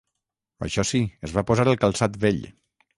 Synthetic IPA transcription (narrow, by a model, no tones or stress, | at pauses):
ə̰ʃɔsiəzβapozaɾəlˠkəlˠsat̪βeʎ